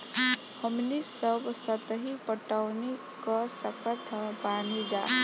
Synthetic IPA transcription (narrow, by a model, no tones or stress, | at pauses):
həmnisəbsət̪ɦipəʈaʊni | kəsəkət̪əbaːnid͡ʒa̰ː